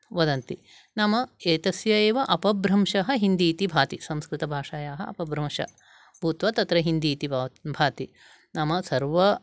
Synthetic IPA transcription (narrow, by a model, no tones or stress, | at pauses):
ʋɐd̪ɐnt̪i | namɐeːt̪ɐsjɐeːʋɐʔɐpɐbɾɐmʃɐɦɐ̆ɦind̪iːt̪ibʱaːt̪isɐ̃mskɾɪt̪ɐbʱaːʂaːjaːɦɐɐ̰pɐbɾɐmʃɐ̰ | bʱuːt̪ʋɐt̪ɐt̪ɾɐɦind̪iːt̪ibʱaːt̪i | nɐmɐsɐɾʋɐ